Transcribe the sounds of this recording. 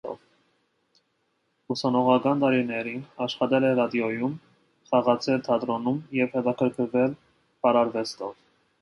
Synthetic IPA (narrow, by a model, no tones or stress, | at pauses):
ɔ̰v | usɑnɔʁɑkɑnt̪ɑɾinɛɾinɑʃχɑt̪ɛlɛrɑd̪jɔjum | χɑʁɑt͡sʰɛlt̪ʰɑt̪ɾɔnumjɛvhɛt̪ɑkʰəɾkʰəɾvɛl | pɑɾɑɾvɛst̪ɔv